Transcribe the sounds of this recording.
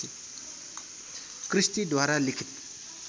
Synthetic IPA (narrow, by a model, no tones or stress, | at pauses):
i | kɾist̪id̪ʋaɾalikʰit̪̚